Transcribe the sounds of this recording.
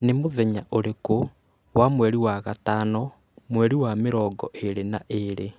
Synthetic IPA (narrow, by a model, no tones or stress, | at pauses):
nemoðɛɲaʔoɾeko | wamwɛɾiwaɣataːnɔ | mwɛɾiwameɾɔːɡɔ̰ʔeɾenaʔeɾe